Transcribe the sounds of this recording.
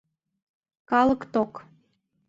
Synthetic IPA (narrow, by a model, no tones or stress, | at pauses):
kɑlɤ̆kt̪ok